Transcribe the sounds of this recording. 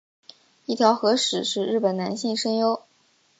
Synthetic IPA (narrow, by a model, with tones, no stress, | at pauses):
i˥˩t̪ʰjɑ˧˥ʊxɤ˧˥ʂɻ̩˨˩ʂɻ̩˥˧ɻɻ̩˥˩pə˨˩na˧˥nɕi˥˩ŋʂɤ˥ŋjo˥ʊ